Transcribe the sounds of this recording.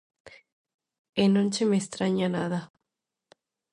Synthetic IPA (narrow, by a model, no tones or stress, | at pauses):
enõnt͡ʃemest̪ɾaɲanaða